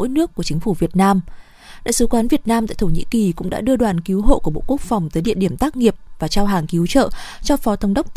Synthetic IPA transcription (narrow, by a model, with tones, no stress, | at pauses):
o̰˧˥jnɨ˦˥əkːu˧˩ət͡ɕï˨˦ŋ̟fu˧˩vi˨˩ət̚naː˧m | ɗa̰ː˧˨sɨ˨˦kwaː˨˦nvi˨˩ət̚naː˧mt̪a̰ː˧˨t̪ʰɲḭ˧˥ki˨˩kʊ̰˧˥ŋ͡mɗa̰ː˧˥ɗɨ˧əɗwaː˨˩nki˨˦wɦo̰˧˨ʔku˧˩əɓo̰˧˨ku˦˥ək̚fɔ˨˩wŋ͡mt̪əː˨˦jɗḭ˧əɗi˧˩əmt̪aː˦˥k̚ŋi˨˩əp̚vaː˨˩t͡ɕaː˧wɦaː˨˩ŋki˨˦wt͡ɕə̰ː˧˨t͡ɕɔ˧fɔ˨˦t̪ə˧wŋ͡mɗə˦˥wk͡p̚t̪